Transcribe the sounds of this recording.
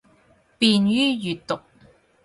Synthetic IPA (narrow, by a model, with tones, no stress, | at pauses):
piː˧njyː˥jyː˨tt̪ːʊ˨k̚